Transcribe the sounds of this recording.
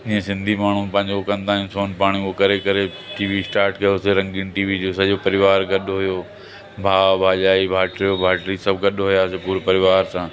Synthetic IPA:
ɪɦẽsɪ̃nd̪ʱimaːɳ̤ũpɐ̃ɦɪ̃ɲd͡ʑokɐ̃nd̪aːɦijũsoːnpaːɽ̃iokɐɾekɐɾe | ʈiːʋisʈaːɾʈkɐjoseɾɐ̃ŋɡɪnʈiːʋid͡ʑoːsɐʄopɐɾɪʋaːɾɡɐɗɦʊjoː | bʱaːbʱaːʄaːibʱaːʈɾijobʱaːʈɾisɐbɡɐɗɦʊjasepuːɾpɐɾɪʋaːɾsãː

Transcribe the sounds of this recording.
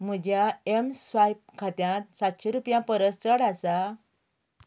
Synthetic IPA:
m̤əd͡ʑjaemsʋajp̚kʰat̪jãt̪̚sat̪ɕeɾupjãpəɾəst͡səɽasa

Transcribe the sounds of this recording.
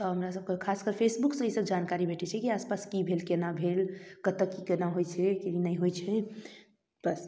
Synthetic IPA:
t̪ɔɦəmɾasəb̚kekʰaskəɾpʰesbuksə̃isəbd͡ʒankaɾibʱeʈɛt͡ʃʰɛkiaspaskibʱelkenabʱelkət̪əkːikenaɦojt͡ʃʰɛkiinəjɦojt͡ʃʰɛ | b̥əs

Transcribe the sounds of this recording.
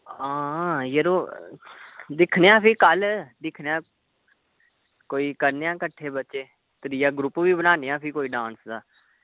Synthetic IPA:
ãːjeɾoː | d̪ɪkʰnejãːpʰikəld̪ɪkʰnejãː | koːiːkəɾnejãːkəʈʰːeːbətːʃeː | t̪əɾijaːɡɾʊpʋiːbənaːnejãːpʰikoːiːɖãːnsd̪aː

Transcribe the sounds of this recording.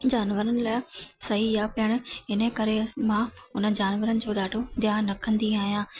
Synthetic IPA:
d͡ʑaːnʋəɾənɪ̆laːɪsɐɦijapɪəɽ̃̆ɪnəkɐɾemãʊnə̆d͡ʑaːnʋəɾənɪ̆d͡ʑoːɗaːʈʰod̪jaːɾɐkʰə̃nd̪iaːɦijãː

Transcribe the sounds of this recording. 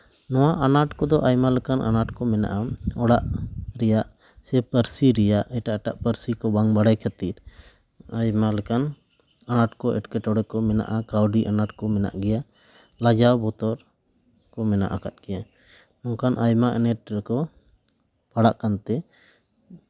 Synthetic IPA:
nɔwaʔanaʈkɔd̪ɔʔajmalɛkanʔa̰naʈkɔmɛna̰ʔaɔɽaʔɾɛjaʔ | sɛpəɾsiɾɛjaʔɛʈaʔɛʈaʔpəɾsikɔbaŋbaɽajkʰat̪iɾ | ajmalɛkan | anaʈkɔʔɛʈkɛʈɔɽɛkɔmɛna̰ʔakawɖiʔanaʈkɔmɛna̰ʔɡɛja | lad͡ʒawbɔt̪ɔɾ | kɔmɛna̰ʔakat̪̚ɡɛja | ɔŋkanʔajmaʔɛnɛʈ̚ɾɛkɔ | paɽaʔkant̪ɛ

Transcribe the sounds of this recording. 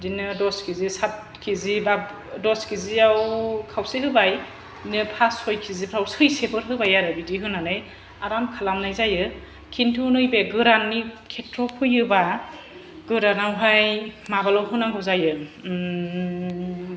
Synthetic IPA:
dinɯdɔskʰizisat̚ | kʰizibab | dɔskʰiziawkʰawsiɦɯbaj | nɯpʰasɔjkʰizipʰɾawsɯjsebʰɯɾɦɯbajaɾɯbidiɦɯnanɯj | aɾamkʰalamnajzajɯ | kʰintʰunɯjbeɡɯɾanːikʰetɾɔpʰɯjɯba | ɡ̥ɯɾanawɦajmabalɔwɦɯnaŋɡɯwzajɯ

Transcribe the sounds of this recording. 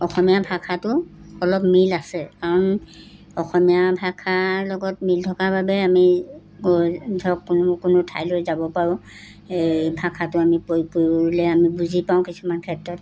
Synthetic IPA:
ɔxɔmijabʱakʰatʊɔlɔpmilasɛkaɹɔn | ɔxɔmijabʱakʰalɔɡɔt̚miltʰɔkaɹbabɛami | ɡɔdʱɔkːnkʊnʊtʰa̰jlojzabɔpaɹʊ̃ | ebʱakʰatʊamipopoɹlɛamibuzipaʊ̃kisumankʰɛtɹɔt

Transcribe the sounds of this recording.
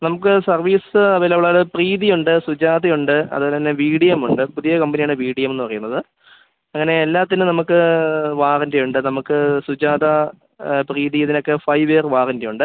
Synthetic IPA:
nɐmukːɨsɐrʋiːsɨɐʋɐlːɐʋɭaːɽɨpriːðijuɳɖɨsud͡ʑaːd̪ɐjuɳɖɨɐ̰ðɨɐnːeʋiːɽijɐmuɳɖɨpuðijɐkɐmbɐnijaːɳɨʋiːɽijɐme̞nːɨpɐrɐjunːɐðɨ | ɐŋːɐne̞ːlːaːt̪ːinɨnɐmukːɨʋaːrindejuɳɖɨnɐmukːɨsud͡ʑaːd̪ɐ | priːðijɐðino̞kːe̞fɐjʋeːrʋaːrindejuɳɖɨ

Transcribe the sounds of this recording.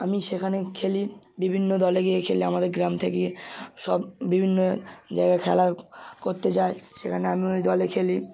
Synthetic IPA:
amiʃekʰanekʰeli | bibʱinːod̪ɔleɡiekʰeliamad̪eɾɡɾamt̪ʰekeʃɔbːibʱinːod͡ʑa̰eɡakʰɛ̰lakoɾt̪et͡ɕaeʃekʰaneamiojd̪ɔlekʰeli

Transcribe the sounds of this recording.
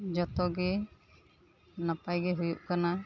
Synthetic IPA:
d͡ʒɔt̪ɔɡɛ | napajɡɛɦujuʔkana

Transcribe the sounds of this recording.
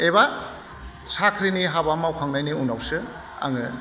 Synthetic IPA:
eba | sakʰɾiniɦabamawkʰaŋnajniunawsɯ | a̰ŋɯ

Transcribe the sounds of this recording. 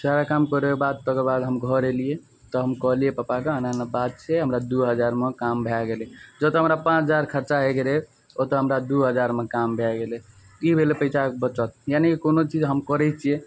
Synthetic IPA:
saɾakamkɔɾekebad̪̚t̪ɔkəbad̪ɦəmɡʱɔɾelie | t̪ɔɦəmkɔɦlijepəpakeənanabad̪̚t͡ʃʰɛɦəmɾad̪uɦəd͡ʒaɾmekambʱaɡeled͡ʒət̪ɔɦəmɾapãt͡ʃʰd͡ʒaɾkʰəɾt͡ʃaɦeɡeɾe | ot̪ɔɦəmɾad̪uɦəd͡ʒaɾmekambʱɛɡele | ibʱelepəɪt͡ʃakbət͡ʃət̪̚janekikonot͡ʃid͡ʒɦəmkəɾɛt͡ʃʰije

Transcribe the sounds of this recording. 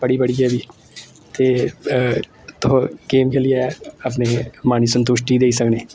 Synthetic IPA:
b̥ɐɽibɐɽiebʱi | t̪e | t̪oɡeːmkeliaɐp̬nemaːnisə̃nt̪ʊʃʈid̪eːisɐkneː

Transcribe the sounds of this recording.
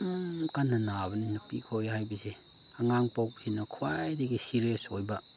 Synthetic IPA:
kanːɐnabɐninupikʰojhajbɐse | aŋaŋpawpsinɐkʰuwajdeɡisiɾesojbɐ

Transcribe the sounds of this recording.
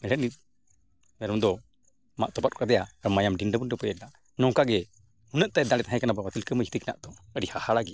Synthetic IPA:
mɛɾɛt̚nit̪̚ | mɛɾɔmd̪ɔ | ma̰ʔt̪ɔpat̪̚ɔkad̪ɛjaɾɔmajamɖinɖəbund̪ɔpɛjɛna | nɔ̃wkaɡɛ | hunəʔ̚t̪ajd̪ãɽɛt̪aɦɛ̃kanabawat̪ilkəməd͡ʒit̪ikɛna̰ʔd̪ɔəɖihahaɽaɡi

